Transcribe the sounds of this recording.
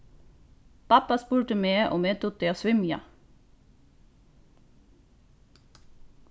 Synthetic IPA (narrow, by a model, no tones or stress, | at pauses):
pɑpɑspuːʈəmeːʔɔ̰meːt̪ʰʊːt̪̚eːoːsʋʏmjɑ̰